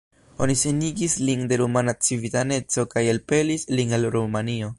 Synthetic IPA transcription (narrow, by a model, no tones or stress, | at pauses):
o̞̰nise̞niɡislinde̞ɾumanat͡sivitane̞t͡so̞kajelpe̞lislinalɾumanio̞